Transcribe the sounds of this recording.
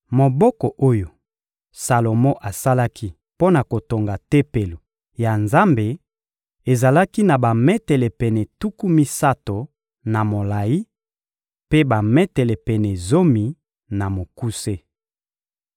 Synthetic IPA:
mo˨bɔ˦kɔ˨ʔo˦jo˨ | sa˨lo˨mɔ˦ʔa˨sa˦la˦kʰi˦ | po˦na˨ko˨to˨ŋɡa˨te˦pe˨lo˨ | ja˨nza˦mbe˨ | e˨za˨la˦ki˦na˨ba˨mɛ˦tɛ˨lɛ˨pɛ˨nɛ˨tu˦ku˦mi˦sa˦to˨ | na˨mo˨la˨ji˦ | pe˦ba˨mɛ˦tɛ˨lɛ˨pɛ˨nɛ˨zo˦mi˨ | na˨mo˨ku˦se˦

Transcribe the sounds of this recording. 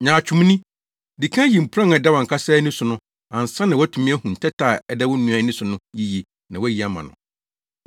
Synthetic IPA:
ɲãː˨t͡ɕᶣʰu˨m˦nĩ˦ | di˨kʰã˦ji˨m̩˨pʰɾã˦ŋ˨ɛ˨dɛ˦wã˨ŋ̩kʰa˦saː˦nĩ˦sʊ˨nʊ̃˦ | ã˨n̩˨sã˦nã˨wɔ˦tʰũ˨mĩ˦ɛ˦hũ˨n̩˨tʰɛ˦tʰaː˨ɛ˨dɛ˦wʊ˦nũ˦a˨˦nĩ˦sʊ˨nʊ̃˦ji˦ji˨ | nã˨wɔ˦ji˨a˦mã̰˨nʊ̰̃˨

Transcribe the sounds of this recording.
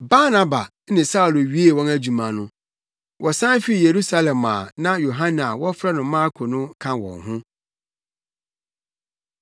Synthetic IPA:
ba˦nã˦ba˨˦nɪ̃˨sa˦u˨lo˨ɥi˦e˦˨wɔ̃˦næ˦d͡ʑu˨mã˨nʊ̃˦ | wʔɔ˨sã˦n˦fi˦i˨je˨ɾu˦sa˦lɛ̃˨ma̰ː˨nã˦jo˨ɦã˦n˨a˨wɔ˦fɾa˦nʊ̃˨˦mã˦ɾkʰo˨nʊ̃˦kʰã˨wɔ̰̃˨ŋɦʊ̃˦

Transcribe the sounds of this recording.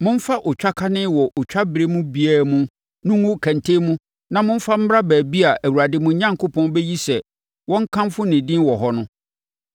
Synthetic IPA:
mʊ̃˦m̩˦fa˦ʔʊ˨t͡ɕᶣa˦kʰa˦nɪ̃˦wɔ˨ʔʊ˨t͡ɕᶣa˦bɾe˦mũ˦bi˦æː˨mũ˦ | nʊ̃˦ŋʊ̃˦˨kʰæ̃˨ntʰe˦mũ˦ | nã˨mʊ̃˦fa˦m̩˦m˦ɾa˦bæː˨bi˦a˨ʔæ˨wu˨ɾa˨dɪ˦mʊ̃˦ɲã˦ŋkʰo˦pʰɔ̃˦n˦bɛ˦ji˦sɛ˨ | wɔ̃˦ŋ̩˦kʰã˦mfʊ˦nɪ̃˨dĩ˦nwɔ˨ɦɔ˦nʊ̃˦

